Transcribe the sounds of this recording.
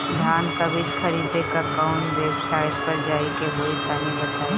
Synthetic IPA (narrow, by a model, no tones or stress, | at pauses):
d̪ʱaːnkabɪt͡ʃxɐɾiːd̪ʱekakaːʊ̃ɳʈweːbsaːɪʈpɐɾd͡ʒaːikeɦoːisaːmibɐt̪aːe